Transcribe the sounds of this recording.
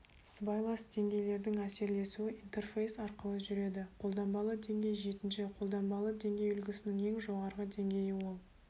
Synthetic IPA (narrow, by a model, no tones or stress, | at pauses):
sbɑjlˠɑsd̪e̞ŋɡʲe̞jle̞ɾd̪ɪŋæse̞ɾle̞suɪʔint̪e̞rfejsɑɾqəlˠəʒʏɾe̞d̪ɪqʰo̞lˠd̪ɑnbɑlˠəd̪e̞ŋɡʲe̞jʒe̞t̪ɪnʃɪqʰo̞lˠd̪ɑnbɑlˠəd̪e̞ŋɡʲe̞jʏlɡʲɪsɪnɪŋe̞ŋʒo̞ʁɑɾʁəd̪e̞ŋɡʲe̞jɪwo̞lˠ